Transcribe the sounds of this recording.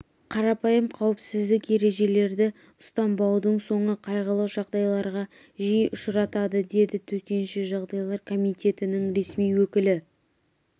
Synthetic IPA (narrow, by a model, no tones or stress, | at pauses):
qʰɑɾɑpɑjəmqʰɑwɪpsɪzd̪ɪkje̞ɾe̞ʒe̞le̞ɾd̪ɪ | ʊst̪ɑmbɑwd̪əɴso̞ɴəqʰɑjʁɑlˠɑwʒɑʁd̪ɑjlˠɑɾʁɑ | ʒijʔʊʃɾɑt̪ɑd̪əd̪e̞d̪ɪt̪ʰɵt̪e̞nʃɪʒɑʁd̪ɑjlˠɑɾkʰo̞mijt̪e̞t̪ɪnɪŋɾe̞smijwɵkʲɪlɪ